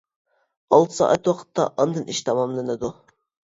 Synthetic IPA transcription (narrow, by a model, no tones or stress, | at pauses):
ɑlˠt̪ʰɨ̥sɑ̰ʔɑt̪wɑqʰə̥t̪ːɑ̰ʔɑnd̪ɨnʔiʃt̪ʰɑmɑmlˠɨnɨd̪u